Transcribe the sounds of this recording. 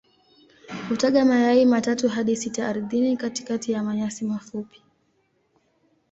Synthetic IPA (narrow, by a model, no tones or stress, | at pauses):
utaɠamajaimatatuɦaɗisitaːɾðinikati̥katijamaɲasimafupi̥